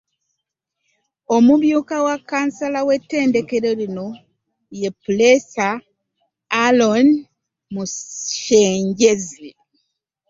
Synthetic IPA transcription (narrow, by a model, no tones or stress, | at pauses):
o̞muβjuːkawakːaːnsalawe̞tːe̞ːnde̞ke̞ɾeɾino̞ | je̞pulesaː | lon | muʃeːɲɟe̞zi